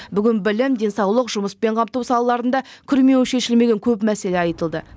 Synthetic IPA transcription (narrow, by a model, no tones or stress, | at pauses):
bʏɡʲɪnbɪlɪmd̪e̞nsɑwlˠəqʒʊməspe̞ɴqʰɑmt̪uwsɑlˠɑlˠɑɾənd̪ɑkʲʰʏɾme̞wʃe̞ʃɪlme̞ɡʲe̞ŋkʲʰɵpmæse̞le̞ɑjt̪əlˠd̪ə